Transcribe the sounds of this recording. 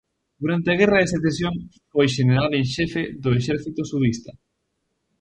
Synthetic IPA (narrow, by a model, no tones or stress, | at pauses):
d̪̥uɾant̪ɪɐɣ̞ɛrɐeseθesjoŋ | fojʃeneɾalẽnʃɛfeðʊeʃɛɾθit̪ʊsuðist̪ɐ